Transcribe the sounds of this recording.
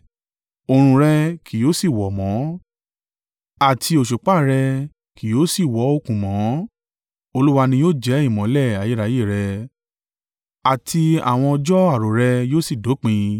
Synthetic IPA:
o˨ɾ̃ũ˧ɾɛ˧kʰi˨jo˨˦si˦˨wɔ˨mɔ̃˨˦ | a˦˨tʰi˧o˨ʃo˨k͡pa˦˨ɾɛ˧ | kʰi˨jo˨˦si˦˨wɔ˨˦o˦˧kũ˨mɔ̃˨˦ | o˧lu˦wa˧nĩ˧joː˦˨d͡ʒɛ˨˦i˦˨mɔ̃˨˦lɛ˦˨a˨ji˦ɾa˨˦je˦˨ɾɛ˧ | a˨tʰi˧a̰˦˨w̃ɔ̃˧ɔ˧d͡ʒɔ˦a˦˨ɾo˨ɾɛ˧joː˦si˦˨do˨˦k͡pĩ˧

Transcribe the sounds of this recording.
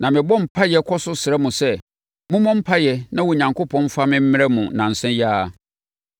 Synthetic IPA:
nã˨mɪ̃˨bɔ̃˦m̩˨pʰa˦jɛ˨kʰɔ˦sʊ˦sɪ˨ɛ˦mũ˨sɛ˦ | mʊ̃˦mɔ̃˦m̩˦pʰa˦jɛ˨nã˦wɔ˨ɲã˨ŋkʰo˦pʰɔ̃˦n˦fa˦mɪ̃˦m̩˦mɪ̃˦ɾɛ˦mũ˨nã˨n̩˨sɛ̃˦jaː˦˨

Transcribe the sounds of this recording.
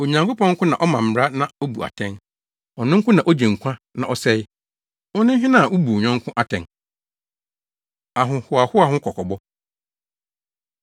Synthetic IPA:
o˨ɲã˨ŋkʊ˦pɔ̃˦ŋ̩˦kʰʊ̃˦nã˨ʔɔ˦mã˨m̩˨ɾa˦nã˨o˦bu˨a̰˨tʰɛ̃˦n | ɔ˨nɪ̃˦ŋ̩˦kʰʊ̃˦nã˨ʔo˦d͡ʑẽ˨ŋ̩˨kʷʰã˦nã̰˨ʔɔ˦sɛ˦ɪ˦ | ʊ˦nɪ̃˦ɦɪ̃˦nã˦˨ʔʊ˦bu˨ɲɔ̃˦ŋ˦kʰʊ̃˦ʔa˨tʰɛ̃˨ŋ | a˨ɦʊ̃˨hʊ˨a˨hʊ˦a˨hʊ̃˦kʰɔ˨kʰɔ˨bɔ˦

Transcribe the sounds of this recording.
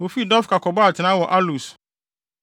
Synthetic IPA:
wo˨fi˦dɔ˦fkʰa˨kʰɔ˨bɔ˦a˨tʰɪ˨nã˦wɔ˨ʔa˦lu˨s

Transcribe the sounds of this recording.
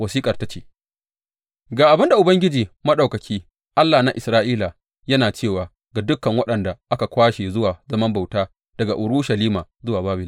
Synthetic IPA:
wɐ˨siː˦kʼɐ˨rta˦t͡ʃeː˨ | ɡaː˨ʔa˨bɪ˦nda˨ʔʊ˨bɐ˦ŋɡʲɪ˦d͡ʒiː˨mɐ˦ɗa˨wkɐ˨kʲʰiː˦ | ʔa˦lːaː˨na˦ʔɪ˨sɾaː˦ʔiː˦la˨ | jɐ˦naː˨t͡ʃeː˦˨waː˨ | ɡa˨dʊ˦kːɐ˨ŋwɐ˦ɗɐ˨nda˨ʔa˦ka˨kʷaː˦ʃe˨zʊ˦waː˨zɐ˦mɐ˦mba˨wtaː˦ | d̥ɐ˨ɡa˨ʔʊ˨ɽʊ˦ʃɐ˨liː˦maː˨zʊ˦waː˨baː˦bɪ˦˨l

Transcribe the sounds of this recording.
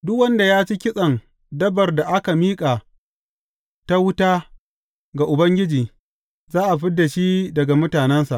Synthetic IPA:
dʊ˦kwɐ˦nda˨jaː˦t͡ʃi˦kʲɪ˦sʼɐ˨ŋ | dɐ˦bɐ˨rda˨ʔa˦ka˨miː˦kʼa˨ | ta˦wʊ˦taː˦ | ɡa˨ʔʊ˨bɐ˦ŋɡʲɪ˦d͡ʒiː˨ | zaː˦ʔa˨ɸɪ˦dːa˨ʃi˦dɐ˨ɡa˨mʊ˦taː˨nɛ˦nsa˨ʔ

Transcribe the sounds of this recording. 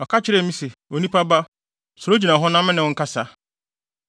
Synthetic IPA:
ɔ˨kʰa˦t͡ɕʰɪ˦ɾɛ˦˨mĩ˦se˨o˨nĩ˦pʰa˦ba˦ | sʊ˨ɾo˦d͡ʑi˨nã˨ɦɔ˦nã˦mɪ̃˦nɪ̃˨wʊ̃˦ŋ̩˦kʰa˦sa˦

